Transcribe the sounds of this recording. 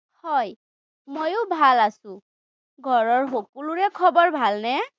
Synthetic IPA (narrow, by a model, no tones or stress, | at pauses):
hɔj | mojʊbʱalasʊ̃ | ɡʱɔɹɔɹxokuluɹɛkʰɔbɔɹbʱalnɛ